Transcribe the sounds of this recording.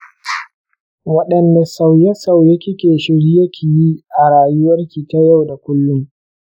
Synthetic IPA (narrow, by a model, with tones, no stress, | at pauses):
wɐ˦ɗɐ˨nda˨sa˨wjɐ˦sa˨wjɐ˦kʲi˦kʲeː˨ʃɪ˦ɽi˦jɐ˦kʲʰi˨ji˦ʔa˨ɽaː˨jʊ˦wɐ˦rkʲi˨ta˦ja˦˨wda˨kʷʊ˦lːʊ˦ŋ